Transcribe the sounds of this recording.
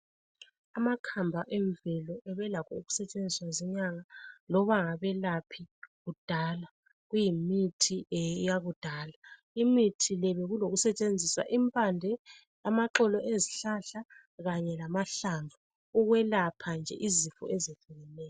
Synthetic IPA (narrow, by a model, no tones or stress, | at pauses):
amakʰambʱaʔɛɱvɛlɔʔɛβɛlakʰɔuɣu̥sɛt͡ʃʼend͡zʱiswazɛɲaŋalɔβaŋaβɛlapʰiɣud̥ʱala | ɣujimitʰijaɣud̥ʱala | imitʰilɛβɛɣuloɣusɛt͡ʃʼend͡zʱiswa̰ʔimpʼandʱɛ | amaǁɔlɔʔeziɬaɬa | ɣaɲɛlamaɬaɱvʱu | uɣwɛlapʰand͡ʒʱɛ̰ʔizifɔ̰ɛzeɬuɣɛnɛːj